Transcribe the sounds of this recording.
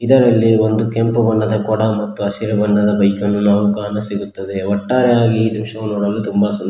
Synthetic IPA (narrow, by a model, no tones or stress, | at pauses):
id̪ɐɾɐlːio̞nd̪ukempɐbɐɳːɐd̪ɐkɔɽɐmɐt̪ːuɐsiɾɐbɐɳːɐd̪ɐbɐjkɐnːunaːʋukaːnɐsiɡut̪ːɐd̪e̞ɔʈːaːɾeaːɡiːd̪imʂɐʋɐnoːɽɐlːut̪umbɐsun